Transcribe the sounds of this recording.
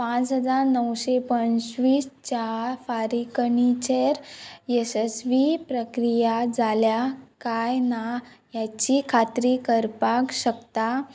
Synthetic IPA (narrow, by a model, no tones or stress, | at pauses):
pãt͡sɦəd͡zaɾnəwɕepənsʋiːst͡ɕafaɾikənit͡ɕeɾesesʋipɾəkɾijad͡zaljakajnajat͡ɕikʰat̪ɾikəɾpakɕəkt̪a